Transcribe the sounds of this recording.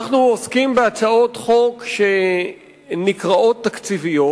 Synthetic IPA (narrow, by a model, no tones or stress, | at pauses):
aχnuoskimbeat͡sao̞t̪χo̞kʃe | nikʁao̞t̪ːakt͡sivijo